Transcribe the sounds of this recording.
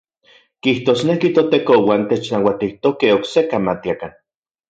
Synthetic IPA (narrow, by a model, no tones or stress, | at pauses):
kiht̪oːsnekit̪ot̪ekowaːnt̪et͡ʃnawat̪iht̪okeoksekamat̪iakan